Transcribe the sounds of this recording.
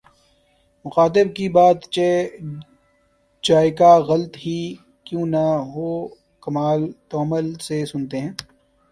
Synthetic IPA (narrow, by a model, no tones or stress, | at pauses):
mʊxaːt̪̬ɪb̚kibaːt̪t͡ʃɛː | d͡ʒaːɪkaɣɐlt̪hi | kjũːnɐɦoː | kɐmaːlt̪ɔːməlsesʊnt̪eɦɛ̃ː